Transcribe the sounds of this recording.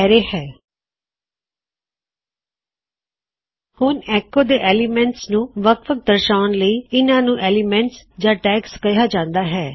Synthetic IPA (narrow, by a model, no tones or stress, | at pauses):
ɛːɾeːhɛː | hʊnɛːkoːd̪eːʔɛːlimɛ̃ɳʈsnũːʋəkʰʋək̚d̪əɾʃaːnləiːɪnãːnũːʔɛːlimɛ̃ɳʈsd͡ʒãːʈɛːkskəjaːd͡ʒãːnd̪aːɦɛː